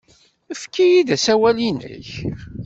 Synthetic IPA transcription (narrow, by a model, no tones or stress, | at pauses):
əfkːijid̪æsæwælinə̰ç